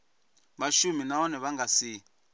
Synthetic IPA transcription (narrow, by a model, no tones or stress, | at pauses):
βaʃuminaɔnɛβaŋɡasi